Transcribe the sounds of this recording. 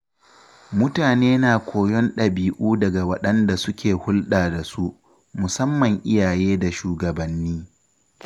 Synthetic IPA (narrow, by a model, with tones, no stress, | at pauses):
mʊ˦taː˨neː˦naː˨kʷʰoː˨jɔ˦nɗɐ˨biː˨ʔuː˦dɐ˨ɡa˨wɐ˦ɗɐ˦nda˨sʊ˦kʲeː˨hʊ˦lɗaː˨da˨su˦ʔ | mʊ˨sɐ˦mːɐ˨ŋʔɪ˦jaː˨jeː˦da˨ʃuː˨ɡɐ˨bɐ˨nːiː˦